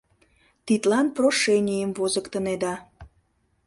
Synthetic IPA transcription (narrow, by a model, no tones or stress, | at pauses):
t̪it̪lɑnproʃenʲijəmvozəkt̪əned̪ɑ